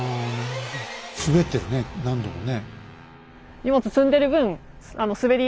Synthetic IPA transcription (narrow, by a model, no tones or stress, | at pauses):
sɨbe̞t̪ːeɾɯ̟nenãnd̪omo̰ne | ɲʲimo̞t͡sɨsɨ̃nd̪e̞ɾɯ̟bɯ̟̃ɴ̃ | ano̞sɨbe̞ɾʲi